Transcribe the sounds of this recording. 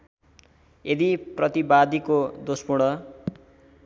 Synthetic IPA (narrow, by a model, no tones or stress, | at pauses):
ed̪iprʌt̪ibad̪ikod̪ospuɽʌ